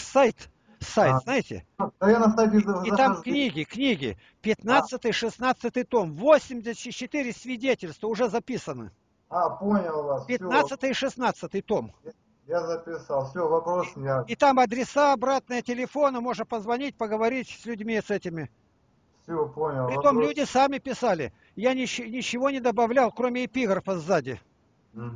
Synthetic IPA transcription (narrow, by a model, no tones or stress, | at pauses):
sajt̪ | sajt̪znajɪtʲɪ̰ɐjanəst̪atʲɪɪt̪amknʲiɡʲɪknʲiɡʲɪ̰ | pʲɪt̪nat̪sɨt̪ɨjʂɨsnat̪sɨt̪ɨjt̪o̞mvosʲɪmʲdʲɪsʲɪt͡ɕːɪt̪ɨɾʲɪsʲvʲɪdʲetʲɪlʲst̪vəʊʐɛzɐpʲisənɨ̰ | aponʲɪlˠvaspʲɪtnat̪sɨt̪ɨjʂɨsnat̪sɨt̪ɨjt̪o̞m | jazəpʲɪsalˠfsʲovɐpɾosʲaɪt̪amɐd̪ɾʲɪsaɐbɾat̪̚nɨjətʲɪlʲɪfo̞nəmo̞ʐnəpəzvɐnʲitʲpəɡəvɐɾʲitʲsʲlʲʊdʲmʲisɛtʲɪmʲɪ | fsʲoponʲɪlˠɪt̪omlʲudʲɪsamʲɪpʲɪsalʲɪ̰ | janʲɪɪnʲɪt͡ɕːɪvo̞nʲɪd̪əbɐvlʲalˠkɾo̞mʲɪɪpʲiɡərfɐzːadʲɪ